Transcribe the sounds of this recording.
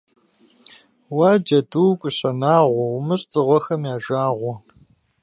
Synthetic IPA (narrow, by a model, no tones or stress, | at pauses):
waːd͡ʒɐduwkʷʼʊɕɐnaːʁʷɔwʊmɨɕʼt͡sʼɨʁʷɔxɐmjaːʒaːʁʷɔ